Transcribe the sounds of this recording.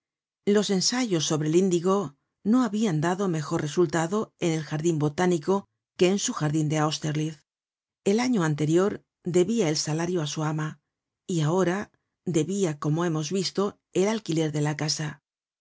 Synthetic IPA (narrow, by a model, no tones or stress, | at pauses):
lo̞se̞nsaʝo̞sːo̞βɾe̞lind̪iɣo̞ | no̞aβiand̪aðo̞me̞xo̞ɾre̞sult̪aðo̞e̞ne̞lxaɾðimbo̞t̪aniko̞ | ke̞ːnsuxaɾðind̪e̞awst̪eɾlið | e̞laɲo̞ant̪e̞ɾjo̞ɾ | d̪e̞βiae̞lsalaɾjoasuama | iao̞ɾa | d̪e̞βiako̞mo̞e̞mo̞zβist̪o̞ | e̞lalkile̞ɾðe̞lakasa